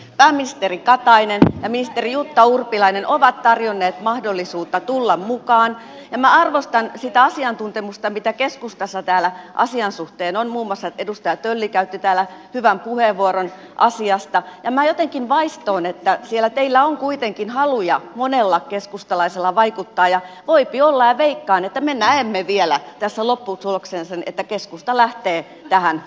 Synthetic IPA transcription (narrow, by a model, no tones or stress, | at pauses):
pæːmːinist̪erikɑt̪ɑinenjɑminist̪erijut̪ːɑurpilɑinenʔoʋɑt̪t̪ɑrjonːeːt̪mɑhdolːisuːt̪ːɑt̪ulːɑmmukɑːn | jɑmæɑrʋost̪ɑnsit̪æɑsiɑnt̪unt̪emust̪ɑmit̪ækeskust̪ɑsːɑt̪æːlæʔɑ̰siɑnsuht̪eːnonmuːmuɑsːɑt̪edust̪ɑjɑt̪ølːikæyt̪ːit̪æːlæhyʋæmpuheʋʋuoron | ʔɑsiɑst̪ɑjɑmæjot̪eŋkinʋɑist̪oːnet̪ːæsielːæt̪eilːæoŋkuit̪eŋkinhɑlujɑmonelːɑkeskust̪ɑlɑiselːɑʋɑikut̪ːɑːjɑʋoipiolːɑjɑʋeikːɑːnet̪ːæmenæemːeʋielæt̪æsːælopːusuloksensɑnḛt̪ːækeskust̪ɑlæht̪eː | t̪æhæn